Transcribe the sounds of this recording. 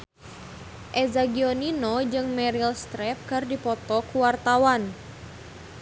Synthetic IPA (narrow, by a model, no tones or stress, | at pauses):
ʔɛzaɡioninɔd͡ʒɨŋmɛɾilst̪ɾɛp̚kɨrdipɔt̪ɔkuwart̪awan